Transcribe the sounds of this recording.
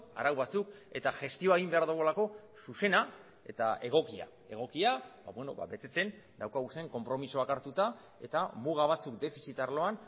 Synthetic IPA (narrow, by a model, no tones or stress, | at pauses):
a̰ɾawβat͡suke̞t̪aʝe̞st̪io̞eɣimbe̞aɾðuɣ̞olako̞suse̞na | e̞t̪aʔe̞ɣ̞o̞kia̰ | e̞ɣ̞o̞kiaba̰βwe̞no̞βa̰βe̞t̪e̞t͡se̞n | d̪awkaɣuse̞ŋko̞mpɾo̞misoakaɾt̪ut̪a | e̞̰t̪amuɣ̞aβ̞at͡sukd̪e̞fisit̪aɾlo̞an